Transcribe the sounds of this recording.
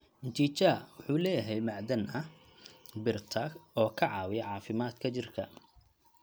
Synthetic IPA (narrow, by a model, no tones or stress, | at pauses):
nt͡ʃit͡ʃɐwʊħuːlɛːjɐɦɛjmɑʕd̪ɐnʔɐ | bɪrt̪ʰɐɔːkʰɐʕɑːwɪjɐʕɑːfɪmaːd̪kʰɐt͡ʃɪrkʰɐ